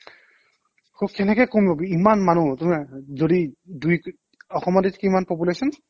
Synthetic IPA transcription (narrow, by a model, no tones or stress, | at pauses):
kokɛnɛkɛkomibɔbiimanmanutumɛzodiduj | ɔxɔmɔditkiimanpɔp̬ulesɔn